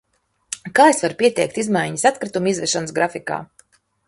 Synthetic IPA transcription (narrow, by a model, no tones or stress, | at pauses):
kaːesvaɾupʲiɛt̪ɛ̰jk̚t̪izmajɲisat̪kɾit̪umizvɛʃɔnsɡɾafika̰ː